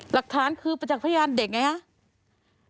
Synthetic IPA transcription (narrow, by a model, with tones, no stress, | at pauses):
la˨˩k̚t̪ʰaː˨˦˥nkʰɯː˧pa˧˩t͡ɕa˨˩k̚pʰːja˧jaː˧ndeː˨˩k̚ŋa˧jha˧˥